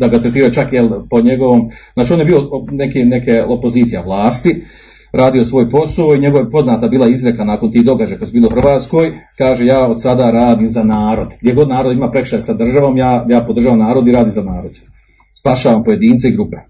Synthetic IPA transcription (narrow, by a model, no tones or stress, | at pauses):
d̪aɡaot̪ɾet̪iːɾojt͡ʃakjelpo̞ɲeɡoʋoːmzaːt͡ʃio̞ːnjebiːonekinekeopo̞ziːt̪ijaʋlˠaːst̪i | ɾʔaːd̪io̞sʋo̞ːjpo̞sooiɲe̞ɡoʋjepo̞znaːt̪abiːlˠaizɾekanaːko̞nt̪iːd̪o̞ɡad͡ʒajkad̪sebiːlouhxr̩ʋaːt̪sko̞ːjkaːʒejaːo̞d̪sad̪aɾaːd̪iːmzanaːɾo̞d̪ɡd̪ʲjeɡo̞d̪naːɾo̞d̪imaːpɾe̞kʃaɾsad̪r̩ʒaʋo̞ːmjaːjaːpod̪r̩ʒaːʋamnaːɾo̞d̪iɾaːd̪iːmzanaːɾo̞d̪̥ | spaʃaːʋampo̞je̞d̪iːnt̪seiɡɾupe